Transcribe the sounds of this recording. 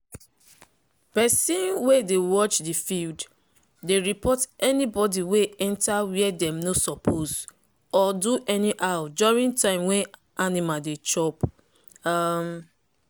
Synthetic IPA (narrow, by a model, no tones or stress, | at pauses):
pɛsĩnwedewɔt͡ʃdifild | deɹipʰɔtɛnibɔdiweɛ̃ntawiɛdɛ̃mnosɔpʰoz | ɔduʔɛniʔawdɔɹĩŋtãɪ̃mwɛ̃n | ʔanimadet͡ʃɔp | am